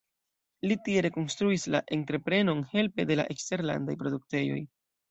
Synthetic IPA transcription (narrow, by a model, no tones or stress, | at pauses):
litie̞ɾe̞ko̞nstɾuislaʔe̞ntɾe̞pɾe̞no̞nhe̞lpe̞de̞la̰ʔe̞kste̞ɾla̰ndajpɾo̞duk̚te̞jo̞̰j